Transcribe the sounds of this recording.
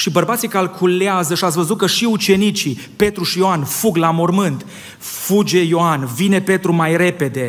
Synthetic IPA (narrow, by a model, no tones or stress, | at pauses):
ʃibərbat̪sikalkʰuleazəʃiat̪svəzukəʃiut͡ʃe̞nit͡ʃi | pe̞t̪ɾuʃijoanfuɡlamo̞rmɨnt̪ | fud͡ʒe̞jo̞anvine̞pe̞t̪ɾumajre̞pe̞d̪e̞